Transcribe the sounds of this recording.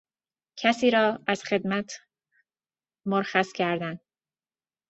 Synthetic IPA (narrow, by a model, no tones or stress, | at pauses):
cʰæsiːɾɒːæz̥xe̞d̪mæt̪ʰ | moɾxæscʰæɾd̪æn